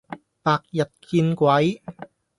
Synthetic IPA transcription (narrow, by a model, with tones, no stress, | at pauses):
paː˧k̚jɐ˨t̚kʰiː˧nkʷwɐ˨˥j